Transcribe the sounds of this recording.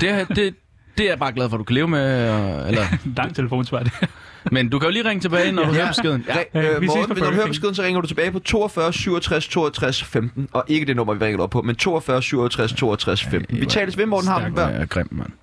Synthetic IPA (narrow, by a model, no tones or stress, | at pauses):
d̥e̝d̥e | d̥e̝æɐb̥ɑ̈ːɡ̥lɛðˠfɒd̥ukʰæle̝ːʊmeelɐd̥ɑ̈ŋ̰t͡sʰeləfo̝̰ːnsʋɑ̈ːd̥mend̥ukʰæjo̝liːʁeŋət͡sʰe̝bɛːɪnɒduhøɐpsɡe̝ðˠn̩ʁɒʋe̥uɦøːɐb̥ɒsɡ̥e̝ðˠn̩sɒ̽ʁeŋɐd̥ut͡sʰe̝b̥ɛːɪpʰɒ̽t͡sʰo̝̰ːɒfɶɐsyʊɒt͡sʰʁast͡sʰo̝̰ːɐt͡sʰʁasfemd̥n̩ɒ̽ʔe̝ɡ̥əd̥e̝nɔ̽m̰ɐʋiʁeŋɐɒb̚pʰɒ̽ment͡sʰo̝̰ːɒfɶːɐsyʊ̰ɐt͡sʰʁast͡sʰo̝̰ːɐt͡sʰʁasfemd̥n̩ʋit͡sʰɛ̰ːləsʋe̝mɒ̰ːd̥n̩hɑ̈dʋæɐ̰ɡ̥ʁɛm̰̥mæn